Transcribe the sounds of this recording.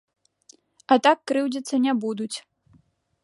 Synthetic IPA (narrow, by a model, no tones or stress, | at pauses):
ɐt̪akːɾɨwd͡zʲit̪sːɐnʲɛbud̪ut͡sʲ